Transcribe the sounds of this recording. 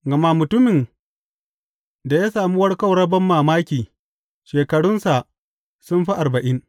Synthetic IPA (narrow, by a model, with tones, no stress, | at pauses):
ɡɐ˨ma˦mʊ˨tʊ˦mɪ˨n | da˨jaː˦saː˨mu˦wɐ˦rkɐ˦˨wɽɐ˦bɐ˦mːaː˨maː˦kʲiː˨ | ʃeː˨kɐ˨ɽʊ˦nsa˨ʔ | sʊ˦mɸi˦ʔa˨rbɐ˨ʔɪ˦n